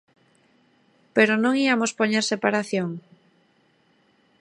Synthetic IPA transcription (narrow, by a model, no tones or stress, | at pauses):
peɾonõŋiamospoɲeɾsepaɾaθjoŋ